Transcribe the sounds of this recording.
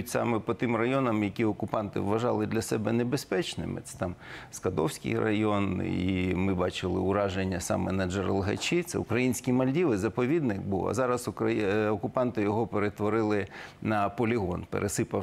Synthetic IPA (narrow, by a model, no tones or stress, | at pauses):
tʲsɑ̰mɛpɔt̪ɪmrɐjɔnɐmjɐkʲiɔkʊpɑnt̪ɪ̰ʋʋːɐʒɑlˠɪd̪lʲɐsɛbɛnebespɛt͡ʃnɪ̰mɪ̰t̪sɛ̥t̪ɑmskɐd̪ɔwsʲkɪ̰jrɐ̰jɔnḭmɪbɑt͡ʃɪlˠɪ̰ʊɾɑʒenʲːɐsɑ̰mɛnɐd͡ʒerlˠɦɐ̰t͡ʃit̪sɛ̰ʊ̰kɾɐjinʲsʲkʲimɐlʲdʲiʋɪzɐpɔʋʲid̪nɪkbuwɐ̰zɑɾɐsʊɐɔkʊpɑnt̪ɪjɔɦɔpeɾet̪ʋɔɾɪlˠɪnɐpɔlʲiɦɔ̰npḛɾʔesɪpɐ